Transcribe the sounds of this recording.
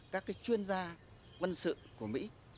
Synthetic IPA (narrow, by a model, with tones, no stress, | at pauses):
kaː˦˥kːaː˨˦jt͡ɕwi˧ənzaː˧ | kwə˧nsɨ̰˧˨ku˧˩əmḭ˧˥